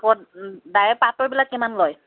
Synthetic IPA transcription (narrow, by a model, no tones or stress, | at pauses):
kɔdajɛpatɔɹbilakːimanlɔj